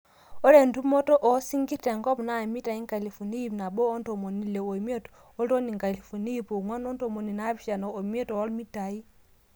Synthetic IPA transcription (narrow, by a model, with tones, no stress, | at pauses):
o˦ɾe˨ndu˦mo˦to˦ʔɔ˨˦si˦ŋɡi˦te˨ŋɡɔ˦mna˦˨mi˦ta˨i˦ŋka˨li˨fo˨ni˦i˦˨pna˨boː˦nto˨mo˨ni˨le˨o˨mi˦o˦t | o˦lo˦ni˨ŋka˨li˨fo˨ni˦po˨ŋwa˦no˦nto˨mo˨ni˨na˦bi˦ʃa˨no˨o˨m˦e˦tɔ˨ɔ˦lmi˦ta˨i˦